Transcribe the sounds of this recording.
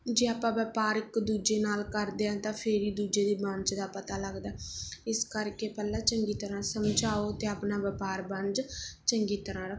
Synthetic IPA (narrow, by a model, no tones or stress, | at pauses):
d͡ʒeːaːpãːʋəpaːɾɪkd̪uːd͡ʒeːnaːlkəɾd̪eːãːt̪ãːpʰɪɾiːd̪uːd͡ʒeːd̪iːbə̃nd͡ʒd̪aːpət̪aːləɡd̪aːɪskəɾkeːpɛlːãːt͡ʃəŋɡiːt̪əɾãːsəmd͡ʒaːoːət̪eːaːpnaːbəpaːɾbənd͡ʒt͡ʃəŋɡiːt̪əɾãːɾək